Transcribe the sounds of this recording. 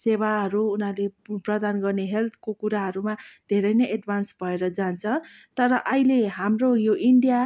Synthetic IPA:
seβaɦʌɾuːnaleprʌd̪anɡʌrneɦelt̪ʰkokuɾaɦʌɾumad̪ʱeɾʌjnʌjʔeɖbʱansbʱʌeɾʌd͡zant͡sʰʌ̃t̪ʌɾʌʔʌɦileɦamrojoʔiɳɖija

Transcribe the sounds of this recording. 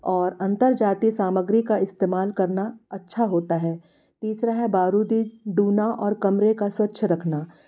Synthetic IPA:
ɔːɾɐ̃nt̪əɾd͡ʒaːt̪isaːməɡɾikaɪst̪eːmaːlkɐɾnaɐtːʃʰaɦoːt̪aɦɛː | t̪iːsɾaɦɛbaːɾuːd̪iɖuːnaʔɔːɾkɐmɾekaswɐtːʃʰəɾɐkʰnaː

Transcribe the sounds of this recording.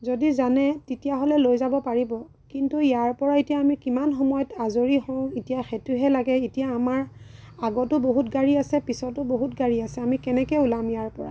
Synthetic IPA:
zodizanɛtitijaɦɔlɛlojzabɔpaɹibɔ | kintujaɹpɔɹaetijaːmikimanxɔmɔjɔtazoɹihɔ̃itijaxɛtuɦɛlaɡɛitijaːmaɹ | aɡɔtʊboɦutɡaɹiasɛpisɔtʊboɦutɡaɹiasɛamikɛnɛkɔulamjaɹpɔɹa̰

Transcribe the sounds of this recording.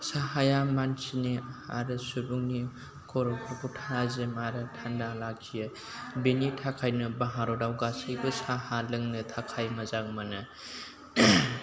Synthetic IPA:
saɦajamansinia̰ɾɯsubuŋni | kʰɔɾɔkʰɔkʰutʰazemaɾɯtʰandalakʰijɯ | benitʰakʰajnɯbaɦaɾɔdawɡasɯjbɯsahalɯŋnɯtʰakʰajmɐzaŋ̚manɯ

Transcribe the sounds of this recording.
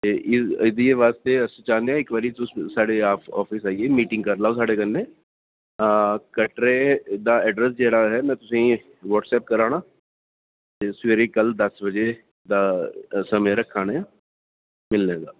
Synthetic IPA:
t̪eːʔɪɪd̪ieʋaːst̪eəsit͡ʃãːnd̪eãːɪkʋəɾit̪ʊssaːɽeaːpɔ̰ːpʰisaːieːmiːʈɪ̃ŋɡkəɾlaːosaːɖeːkənːẽː | kəʈɾed̪aːɛːɖɾəs̬d͡ʒɛːɽaːɦɛːmɛ̃ːt̪ʊsĩ | ʋɔːʈsɛːp̚kəɾaːñaː | t̪esəɾikəld̪əsbəd͡ʒe | d̪aːsəmẽɾəkʰːaːneãː | mɪlneːɡ̪aː

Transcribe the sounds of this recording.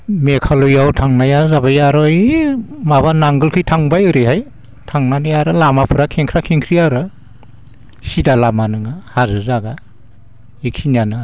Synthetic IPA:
mekʰalujawtʰaŋnajazabajaɾɔjmaβanaŋɡɯlkʰɯjtʰaŋbajɯɾɯhaj | tʰaŋnanɯjaɾɯlamapʰɯɾakʰeŋkʰɾakʰiŋkʰɾiaɾɯ | sidalamanɯŋahazɯzaɡa | ik̚sinijanɯ

